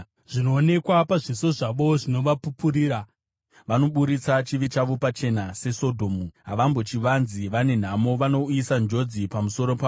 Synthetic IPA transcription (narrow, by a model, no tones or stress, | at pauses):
ʐ̥ino̞ːne̞kwapaʐiso̞ʐaʋo̞ʐino̞ʋapupuɾiːɾa | ʋano̞ɓuɾit͡sat͡ʃiʋit͡ʃaʋo̞pat͡ʃe̞nase̞so̞dʱo̞ːmuɦaʋambo̞t͡ʃiʋanziʋane̞n̤amo̞ʋano̞isand͡ʒo̞d͡zipamuso̞ɾo̞pa